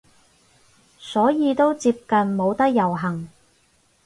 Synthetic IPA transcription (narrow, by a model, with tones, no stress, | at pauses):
sɔː˨˥jiː˨˧t̪o˥wt͡siː˧p̚kɐ˨nmo˨˧wt̪ɐ˥k̚jɐ˨˩wɦɐ˨˩ŋ